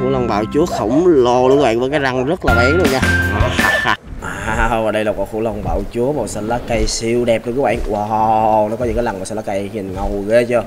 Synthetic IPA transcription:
fṵ˧˩la˧wŋ͡mɓa̰ː˧˨wt͡ɕu˨˦əxə˧˩wŋ͡mlo˧˩lɨ˧˦ɓa̰ː˧˨vəː˧˩kaː˨˦jza˧ŋzə˦˥t̚laː˨˩ɓɛ˨˦ŋɗu˧əɲaː˧ʔa˨˩ha˧a˧ | ʔaː˨˩˧vaː˨˩ɗə˧jlaː˨˩kɔ̰ː˧˨˩fṵ˧˥la˧wŋ͡mɓa̰ː˧˨wt͡ɕu˨˦əmɔ˨˩sə˧˩la˨˦ka˧jsi˧wɗɛ˨˩p̚ɗəː˧˩kːwa̰ː˧˨ŋwa˨˩nɔ˨˦kɔ˨˦ɲ̰˧˥kaː˨˦la˨˩ŋmaː˨˩sla˨˦˧ka˧jɲi˨˩ŋə˨˩wɣe˨˦t͡ɕə˧

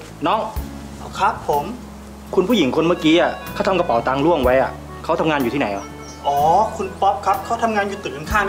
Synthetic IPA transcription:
nɔ˦˥ŋ | ʔkʰa˦˥pʰːo˨˩˦m | kʰu˧npʰu˥˩ji˩˦ŋkʰo˧nma˥˩kiː˦˥ʔa˨˩kʰa˥˩t̪ʰa˧ŋka˧pa˨˩˦wt̪aː˧ŋlu˥˩əŋwa˦˥jʔa˨˩ | kʰa˦˥wt̪ʰa˧ŋaː˧njuː˨˩t̪ʰi˥˩na˨˩˦jʔa˨˩ | ʔɔː˨˦kʰu˧npɔ˦˥p̚kʰa˦˥p̚kʰa˦˥wt̪ʰa˧mŋaː˧njuː˨˩t̪ɯː˨˩ŋ˧nkʰaː˥˩

